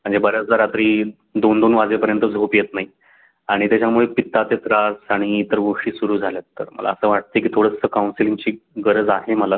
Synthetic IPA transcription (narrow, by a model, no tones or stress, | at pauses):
m̤əɳd͡zebəɾjat͡sd͡zaɾat̪ɾiː | d̪ond̪onʋad͡zepəɾjənt̪əd͡zʱopjet̪nai | aɽ̃it̪jat͡ɕamuɭepit̪ːat̪et̪ɾasaɽ̃iːt̪əɾɡoʂiːsuɾuːd͡zʱalət̪ːə̰ɾmə̰lʔa̰əsəʋaʈ̚t̪əkiːt̪ʰoɽəsəkawnsiliŋɡt͡ɕiːɡəɾəd͡zaɦeməla